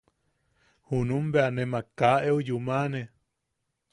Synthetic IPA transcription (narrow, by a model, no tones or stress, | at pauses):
hunũmbeanẽmakaʔeujumane